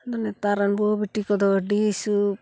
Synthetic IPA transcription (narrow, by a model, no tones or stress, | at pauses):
d̪ɔnɛt̪aɾanbɔbiʈikɔd̪ɔɖisu